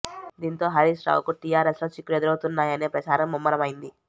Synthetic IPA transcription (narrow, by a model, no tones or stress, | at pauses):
d̪iːnt̪o̞ːɦɐɾiːsɾa̰ːwkuʈijaːɾesloːt͡ʃikːlued̪uɾɐwt̪unːaːjɐne̞ːpɾɐt͡ʃaːɾɐmːumːɐɾɐmɐjind̪i